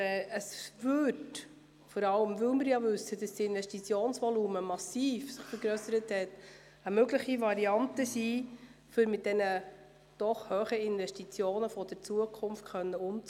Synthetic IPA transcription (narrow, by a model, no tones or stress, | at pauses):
ɛəsvʏd | fɔɾɑləmvʏlmɪɾjɑvʏsːəd̥ɑsdiɪnvɛstit͡sjoːnsʋɔluːməmɑsiːfsɪχfəɾɡɾœsəɾəthɛt | əmøɡləχivɑɾiɑntəsifʏɾmɪt̚d̥ɛnə | d̥ɔχhœːχəɪnvɛʃtit͡sjoːnəfɔd̥əɾt͡suəkʰʊmft̚kχœnːəʊmt͡s